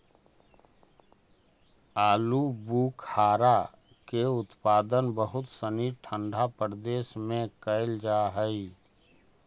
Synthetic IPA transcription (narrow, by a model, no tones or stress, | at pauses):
aːlubuːkʰhaːɾa | keʊt̪paːd̪ənbəɦʊt̪səniʈʰə̃ɳɖʱapəɾd̪eːʃmẽkəɪld͡ʒaɦəi